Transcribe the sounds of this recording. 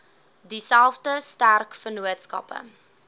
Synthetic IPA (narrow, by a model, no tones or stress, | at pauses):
disælˠfdəstærkfənuətskɐ̰pə̰